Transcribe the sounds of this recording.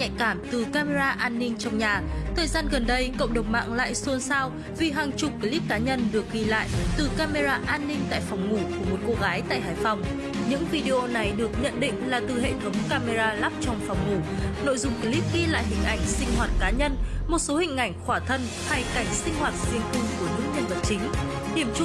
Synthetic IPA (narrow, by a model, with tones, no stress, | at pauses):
ɲa̰˧˨jkaː˧˩mt̪ɨ˨˩kaː˧me˧zaː˧ʔaː˧nːï˧ŋ̟t͡ɕɔ˧wŋ͡mɲaː˨˩t̪ʰəː˨˩jzaː˧nɣə˨˩nɗə˧jkə̰˧˨wŋ͡mɗə˨˩wŋ͡mma̰ː˧˨ŋla̰ː˧˨jsu˧ənsaː˧w | vi˨˩ɦaː˨˩ŋt͡ɕʊ˨˩p̚ki˨˦li˦˥p̚kːaː˨˦ɲə˧nɗɨ˨˩ək̚ɣi˧la̰ː˧˨jt̪ɨ˨˩kaː˧me˧zaː˧ʔaː˧nːï˧ŋ̟t̪a̰ː˧˨jfɔ˨˩wŋ͡mŋu˧˩ku˧˩əmo˨˩t̚ko˧ɣaː˨˦jt̪a̰ː˧˨jɦaː˧˨˩jfɔ˨˩wŋ͡m | ɲɨ̰˧˥ŋvi˧ɗe˧ʔo˧na˨˩jɗɨ˨˩ək̚ɲə̰˧˨nɗḭ̈˧˨ŋ̟laː˨˩t̪ɨ˨˩ɦḛ˧˨t̪ʰə˨˦wŋ͡mkaː˧me˧zaː˧laː˦˥p̚t͡ɕɔ˧wŋ͡mfɔ˨˩wŋ͡mŋu˧˩no̰˧˨jzʊ̰˧˨ŋ͡mki˨˦li˦˥p̚ɣi˧la̰ː˧˨jɦï˨˩ŋ̟ʔa˨˧˩jŋ̟sï˧ŋ̟ɦwaː˨˩t̚kaː˨˦ɲə˧nmo˨˩t̚so˨˦hï˧˩ŋ̟ʔa˧˩jŋ̟xwaː˧˩t̪ʰə˧n | ha˧jka˧˩jŋ̟sï˧ŋ̟hwaː˨˩t̚zi˧ənkʊ˧ŋ͡mku˧˩ənɨ˦˥k̚ɲə˧nvə˨˩t̚t͡ɕï˨˦ŋ̟ | ɗi˧˩əmt͡ɕʊ˦˥